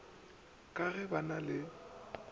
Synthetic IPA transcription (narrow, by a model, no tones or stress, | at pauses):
kʼaɣɛbanalɪ